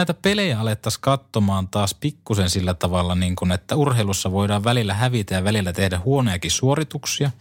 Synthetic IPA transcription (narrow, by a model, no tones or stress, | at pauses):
æit̪æpelejæɑlet̪ːɑskɑt̪ːomɑːnt̪ɑːspikːuse̞nsilːæt̪ɑʋɑlːɑniːŋkunet̪ːæurheilusːɑʋo̞jdɑːʋʋælilːæɦæʋit̪æjɑʋælilːæt̪ehdæhuonojɑkissuo̞ɾit̪uksiɑ